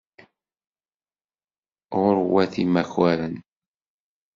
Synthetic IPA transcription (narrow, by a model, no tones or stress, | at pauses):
ʁʊɾwæθimæçwæɾən